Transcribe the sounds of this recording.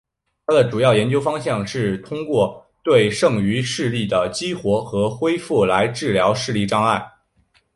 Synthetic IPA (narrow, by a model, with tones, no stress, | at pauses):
t̪ʰa˥d̪ə˨˩ʈ͡ʂu˨˩jɑ˥˩ʊjɛ˧˥nt͡ɕjo˥ʊfɑ˥ŋɕjɑ˥˧ŋʂɻ̩˥˩t̪ʰʊ˥ŋkwɔ˥˧t̪we˥˧ɪʂɤ˥˩ŋy˧˥ʂɻ̩˥˧li˥˩d̪ə˩t͡ɕi˥xwɔ˧˥xɤ˧˥xwe˥ɪfu˥˩la˧˥ɪʈ͡ʂɻ̩˥˩ljɑ˧˥ʊʂɻ̩˥˧li˥˩ʈ͡ʂɑ˥ŋa˥˩ɪ